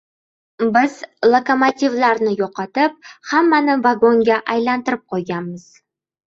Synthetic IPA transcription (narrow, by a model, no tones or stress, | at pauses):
bɪzlˠokomot̪ʲivlˠaɾnɪjoqɑt̪ɪp̚hamːanɪvaɡo̞ŋɡʲaʔajlˠɑnt̪əɾɪp̚qʰojɡɑməz̥